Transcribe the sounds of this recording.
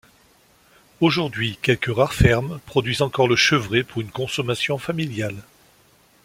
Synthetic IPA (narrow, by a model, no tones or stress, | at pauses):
oʒuʁd̪ɥikʲɛlkəʁaʁfɛʁmpχɔd̪ɥizɑ̃kɔʁləʃəvʁepuʁynkɔ̃sɔmasjɔ̃familjal